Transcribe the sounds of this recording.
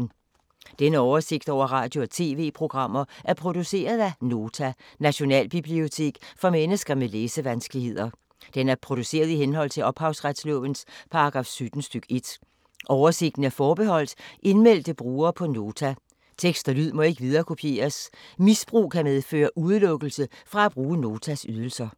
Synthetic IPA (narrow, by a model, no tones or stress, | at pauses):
n̩ | d̥enəɒʊɐse̝ɡ̥̚d̥ɒʊ̰ɐʁɑ̰̈ːd̥jo̝ɒt͡sʰe̝̰ːʋe̝̰ːpʰʁo̝ɡ̥ʁɑ̈m̰ɐʔæɐpʰʁo̝d̥use̝̰ːɐð̞ˠæno̝ːt͡sʰænæɕo̝nɛ̰ːlb̥ib̥lio̝t͡sʰe̝̰ːɡ̥fɒ̽menəsɡ̥ɐmeleːsəʋænsɡ̥əlihe̝ð̰ˠɐ | d̥enæɐpʰʁo̝d̥use̝̰ːɐðˠihenɦɒ̽l̰t͡sʰe̝ɒ̽b̥hɑ̈ʊsʁad̥slɔ̰̽ːʋənspʰɑ̈ɑɡ̥ʁɑ̈ːfsød̥n̩sd̥øɡ̥e̝d̥ | ʔɒʊɐse̝ɡ̥̚d̥n̩æɐfɒːb̥eɦɒ̽l̰d̥ʔe̝nmel̰d̥əb̥ʁuːɐːpʰɒ̽no̝ːt͡sʰæ | t͡sʰeɡ̥sd̥ɐlyð̰ˠmɒ̽e̝ɡ̥əʋið̞ˠɐːkʰo̝pʰje̝̰ːɐsmisb̥ʁṵːkʰæmeð̞ˠfø̰ːɐʔuð̞ˠlɔ̽ɡ̥l̩səfʁɑ̈æb̥ʁuːəno̝ːt͡sʰæsyð̞ˠəl̩sɐ